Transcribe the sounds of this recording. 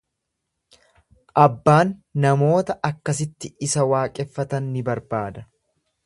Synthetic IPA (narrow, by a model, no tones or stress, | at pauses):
ʔɐbːaːnːɐmo̞ːt̪ɐʔɐkːɐsɪt̪ːɪɪsɐwaːkʼɛfːɐt̪ɐnːɪbɐɾbaːd̪ɐ